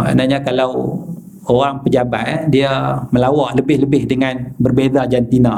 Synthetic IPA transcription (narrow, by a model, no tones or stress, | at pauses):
a̰naɲakalaw | oʁaŋpəd͡ʒaba̰tdiaməlawaʔləbɪhləbɪhdəŋanbərbedad͡ʒant̪ina